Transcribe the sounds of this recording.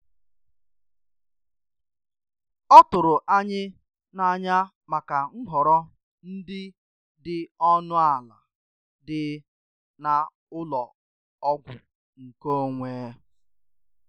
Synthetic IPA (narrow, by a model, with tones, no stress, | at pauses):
ɔ˦tʊ˨ɾʊ˨ʔa˦ɲɪ˦ | na˦˨ɲa˦ | ma˨ka˨ŋ̩˦ɦɔ˨ɾɔ˦ | n̩˦dɪ˦ | dɪ˨ɔ˦nʊ˦a˨la̰˨ | dɪ˨ | na˨ | ʊ˦lɔ˨ | ɔ˦ɡʷʊ̰˨ | ŋ̩˨ko˦ŋʷeː˨˦